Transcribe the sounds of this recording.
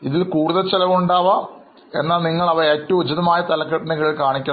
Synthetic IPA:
iðilkuːɽuðɐt͡ɕːelɐʋuɳɖaːʋa | e̞̰nːaːlniŋːɐɭɐʋɐeːtːɐʋud͡ʑɐðɐmaːjɐt̪ɐlɐkːɐʈːɐɳɐɣɐɭilkaːɳikʲːɐ

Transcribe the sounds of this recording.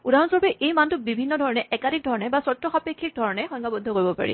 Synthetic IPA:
udaɹɔnsɔɹpɛʔejmantʊbibʱinːɔdʱɔɹɔnɛʔɛkadʱik̚dʱɔɹɔnɛbasɔtɹɔxapekʰːik̚dʱɔɹɔnɛxɔŋkabɔd̪ʱːɔkoɹibɔpa̰ɹḭ

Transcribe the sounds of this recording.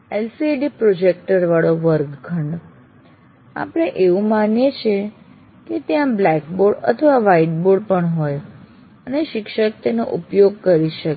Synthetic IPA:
elsieɖipɾod͡ʒek̚ʈəɾʋaɭoʋəɾkɡʱəɳɖ | a̰pɽ̃eʔeʋũmanjet͡ʃʰe | ket̪jãblɛkboɽə̰t̪ʰəʋaʋaiʈ̚boɽpəɳɦoj | əneʃɪkʃək̚t̪eno̰ʔupjoɡ̚kəɾiʃək

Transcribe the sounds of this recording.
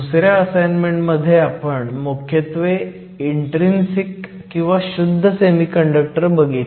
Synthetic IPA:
usɾjaəsajnmeɳʈməd̪ʱːjeapəɳmukʰjət̪ʋe | iɳʈɾinsikː | ĩw̃ʋaɕud̪ʱːəsemiːkəɳɖək̚ʈəɾbəɡit̪

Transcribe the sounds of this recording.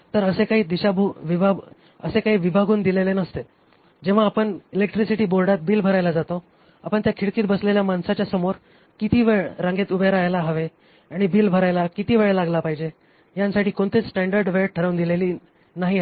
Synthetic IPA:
t̪əɾəsekaɦiːd̪iɕabuʋibʱa | ə̰sekaɦiːʋibʱaɡuːnd̪ilelenəst̪e | d͡ʑeʋ̤aːpəɳilekʈɾisiʈiːbolɖat̪̚biːlbʱəɾajlad͡zat̪o | a̰pəɳt̪jakʰiɽkiːt̪̚bəsleljamansat͡ɕjasəmoɾ | kit̪iːʋeɭɾãŋɡet̪ubʱeɾajlaɦəʋe | aɽ̃ibiːlbʱəɾajlakit̪iːʋeɭelaɡlapaɦid͡ʑe | jãnsaʈiːkoɳt̪iːt͡ssʈɛ̃ɳɖəɾɖʋeɭʈʰəɾaʋũnd̪ileliː | naɦi

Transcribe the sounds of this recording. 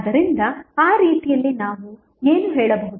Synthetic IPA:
d̪ɐɾind̪ɐaːɾiːt̪ijɐlːinaːʋu | eːnuɦɛːɭɐbɐɦud̪

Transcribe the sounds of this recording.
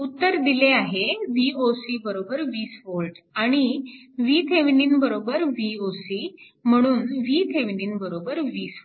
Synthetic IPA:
ut̪ːəɾd̪ileaɦeʋiosibəɾobəɾʋiːsʋolʈaɽ̃i | ʋit̪ʰeʋniːnbəɾobəɾʋiosi | m̤əɽ̃uːnʋit̪ʰeʋniːnbəɾobəɾʋiːs

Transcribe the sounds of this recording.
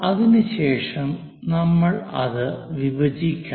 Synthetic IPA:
ɐðinɨɕeːʂɐm | nɐmːɐɭɐ̰ðɨʋiʋɐd͡ʑikʲːa

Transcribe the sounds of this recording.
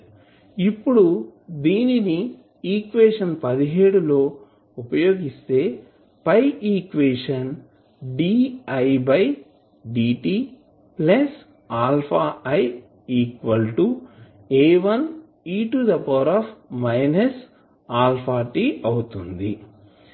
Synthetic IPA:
ipːuɽud̪iːnini | iːkʋeːʂɐnpɐd̪iɦe̞ːɽulo̞ː | upɐjo̞ːɡist̪e̞ː | pɐjiːkʋeːʂɐn | ɖiːɐjbɐj | ɖiːʈiː | ples | aːlpʰaːɐj | iːkʋɐlʈu | eːʋɐn | iʈud̪ɐpɐwɾaːpmɐjnɐs | aːlpʰaːʈiːɐwut̪und̪i

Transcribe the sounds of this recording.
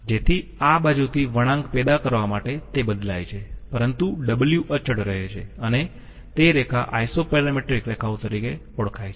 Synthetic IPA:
d͡ʒet̪ʰiabad͡ʒut̪ʰiʋəɽ̃ãŋɡpɛd̪akəɾʋamaʈet̪ebəd̪la̰jt͡ʃʰepəɾənt̪uɖəbəljuʔət͡ʃəɽɾəɦet͡ʃʰeəne | t̪eɾekʰa̰ʔajsopɛɾameʈɾikɾekʰaot̪əɾike | ɔɽkʰajt͡ʃʰe

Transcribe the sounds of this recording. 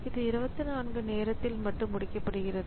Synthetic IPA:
ɪðɯɪɾɯbɐt̪ːɯnaːnɡɯneːɾɐt̪ːɪlmɐʈːɯmːʊɽɪkːɐpːɐɽɯɣɪrɐðɯ

